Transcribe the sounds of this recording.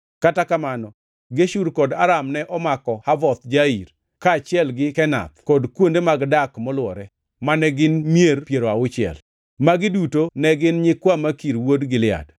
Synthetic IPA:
katakamanɔ | ɡeʃuɾkɔdaɾamnɛʔɔmakɔhavɔt̪d͡ʒaiɾ | kaːt͡ʃɪɛlɡɪkɛna̰t̪kɔdkwondemaɡdakmɔlwɔɾɛ | manɛɡɪnmjeɾpjeɾoaʊt͡ʃɪɛ̰l | maɡɪdutonɛɡɪnɲɪkwamakiɾwodɡɪlɪa̰d

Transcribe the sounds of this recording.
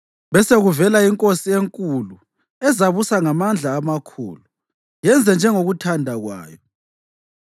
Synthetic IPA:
βɛseɣuvɛlaiŋkʼosieŋkʼulu | ɛzaβusaŋamand͡ɮʱaːmakʰṵːlu | jɛnd͡zʱɛnd͡ʒʱɛŋoɣutʰandʱaɣwa̰ːjɔ

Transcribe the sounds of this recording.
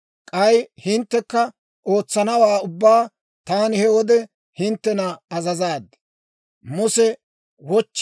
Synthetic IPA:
kʼɐjhɪnt̪ːɛkːɐ | ʔo̞ːt͡sːɐnɐwaːʊbːaː | t̪aːnɪhɛwɔd̪ɛ | hɪnt̪ːɛnɐɐzɐzaːd̪ | mʊsɛ | wɔt͡ʃː

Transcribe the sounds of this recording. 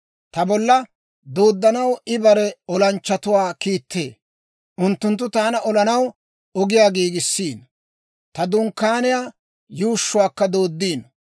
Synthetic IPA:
t̪ɐbɔlːɐ | d̪oːd̪ːɐnɐwɪbɐɾɛɔlɐnt͡ʃːɐt̪ʊwaːkiːt̪ʰːḛː | ʔʊnt̪ːʊnt̪ːʊt̪aːnɐʔɔlɐnɐw | ɔɡɪjaːɡiːɡɪsːiːn | t̪ɐd̪ʊŋkːaːnɪjaː | juːʃːʊwaːkːɐd̪o̞ːd̪ːiːn

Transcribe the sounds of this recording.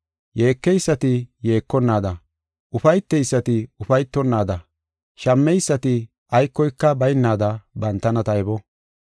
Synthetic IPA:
je̞ːkːɛjsːɐt̪ɪje̞ːkːɔnːaːd̪ɐ | ʔʊfɐjt̪ːɛjsːɐt̪ɪʊfɐjt̪ːɔnːaːd̪ɐ | ʃɐmːɛjsːɐt̪ɪ | ʔɐjkːɔjkːɐbɐjnːaːd̪ɐbɐnt̪ːɐnɐt̪ɐjɛbɔ

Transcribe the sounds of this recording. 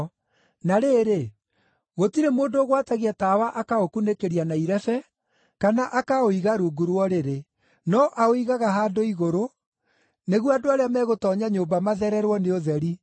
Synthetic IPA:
naɾeːɾe | ɣotiɾemoːndoːɣwataɣiatawaʔakaokunekeɾianaiɾɛfɛ | kanaʔakaoiɣaɾuɡuɾwɔɾeɾe | nɔʔaoiɣaɣaɦaːdoiɣoɾo | neɣwadoaɾeamɛɣotɔːɲaɲoːmbamaðɛɾɛɾwɔneoðɛɾi

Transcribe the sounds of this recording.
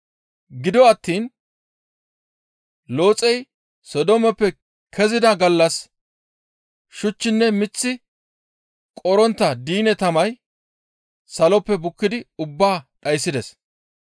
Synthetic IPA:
ɡɪd̪ɔɐt̪ːiːn | lo̞ːt͡sʼɛj | sɔd̪ɔmɛpːɛ | kʰɛzɪd̪ɐɡɐlːɐs | ʃʊt͡ʃːɪnːɛmɪt͡sːɪ | kʼɔɾɔnt̪ːɐd̪iːnɛt̪ɐmɐj | sɐlɔpːɛbʊkːɪd̪ɪʊbːaːɗɐjsːɪd̪ɛs

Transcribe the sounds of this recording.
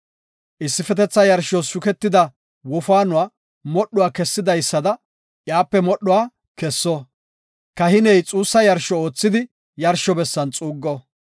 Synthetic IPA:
ʔɪsːɪfɛt̪ɛt͡sːɐjɐɾʃɔsʊkɛt̪ːɪd̪ɐ | wɔfaːnʊwaː | mɔɗːʊwaːkɛsːɪd̪ɐjsːɐd̪ɐ | ʔjaːpːɛmɔɗːʊwaː | kɛsːɔ | kɐhɪnɛjt͡sʼuːsːɐjɐɾʃɔo̞ːt͡sːɪd̪ɪ | jɐɾʃɔbɛsːɐnt͡sʼuːɡːɔ

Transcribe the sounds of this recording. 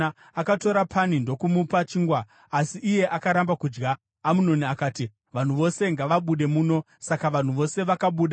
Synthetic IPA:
akato̞ɾapʰanindo̞kumupat͡ʃiːŋɡwaː | siʔːje̞ʔakaɾambakud͡ʒɡaː | muno̞niakaːti | ʋan̤uʋo̞se̞ŋɡaʋaɓuɗe̞muːno̞ | sakaʋan̤uʋo̞se̞ʋakaɓuːɗa

